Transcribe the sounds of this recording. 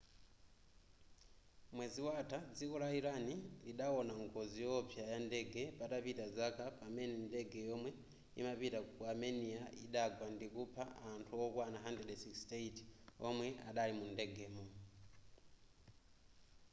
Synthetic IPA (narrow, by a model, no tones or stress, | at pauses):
mwɛziwatʰad͡zikɔlaiɾaniliɗaɔnaŋɡɔzijɔpjajandɛɡɛpatapitazakapamɛnɛndɛɡɛjɔmwɛ | ḭmapitakuamɛnijaiɗaɡwandikupʰaantʰuɔkwanaɦandrɛdɛsikstetɔmwɛʔaɗalimundɛɡɛːmɔ